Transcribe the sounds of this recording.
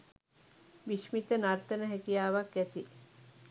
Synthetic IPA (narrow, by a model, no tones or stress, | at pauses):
ʋiʃmit̪ənaɾt̪ənəɦɛkijaːʋakɡɛt̪i